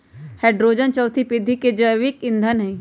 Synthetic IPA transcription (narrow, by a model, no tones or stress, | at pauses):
hɛːɖɾoːd͡ʒənt͡ʃɔːt̪ʰipɪd̪ʱːiked͡ʒəʋɪkɪ̃nd̪ʱənɦẽ